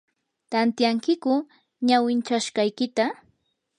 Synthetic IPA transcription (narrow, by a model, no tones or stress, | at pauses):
t̪ant̪jaŋkɪkʊ | ɲawɪnt͡ʃaʃɢɑjkɪt̪a